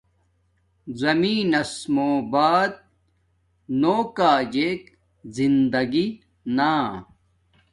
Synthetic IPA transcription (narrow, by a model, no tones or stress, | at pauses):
zɐmiːnɐsmoːbaːd̪̚ | noːkaːd͡ʑeːk | zind̪ɐɡi | naː